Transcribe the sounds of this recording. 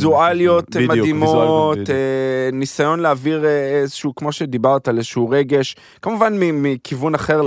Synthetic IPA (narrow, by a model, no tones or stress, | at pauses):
zualijo̞t̪mad̪imot̪enisajo̞nleaviʁeezeʃuːkmo̞ʃe̞d̪ibaʁt̪aalezʃuuʁeɡe̞ʃ | kamuvanmimikʰivunaχe̞ʁ